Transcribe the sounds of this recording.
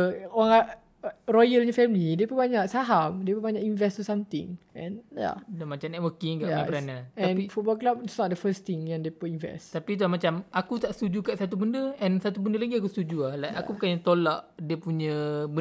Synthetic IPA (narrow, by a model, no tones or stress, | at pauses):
oaŋa | rɔjəlɲãfɛmlidiəpəbaɲaʔsaɦamdiəpəbaɲaʔĩnvɛst̪usãmt̪ɪ̰̃ŋɛ̰̃nja̰damat͡ʃamnɛʔ̚wəkɪŋɡaʔabəɾanaɛãnifɔbaklapitsnɔt̚dəfəst̪ĩŋjãŋdepuinvɛ̰st̪apit̪̬ulamat͡ʃamakut̪aʔst̪ud͡ʒukaʔsat̪̬ubəndəɛ̃nsat̪ubəndəlaɡiak̬ust̪ud͡ʒuahlajaupukaɲat̪olaʔdiəpuɲãbə